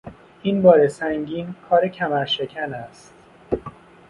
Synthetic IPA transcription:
inbɒːɾesæŋɟiːnkʰɒːɾecʰæmæɾʃe̞cʰænæst̪

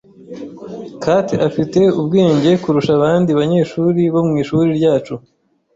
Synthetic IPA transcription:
kateafite̞ubɡeːɲɟe̞kuɾuʃaβaːndiβaɲe̞ːʃuːɾiβo̞mŋiːʃuɾiɾɟaːt͡ʃu

